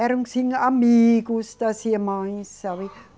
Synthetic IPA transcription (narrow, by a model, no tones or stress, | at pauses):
æɾuŋsiŋɑmiːkust̪ɑsiemɑĩnsːɑʋi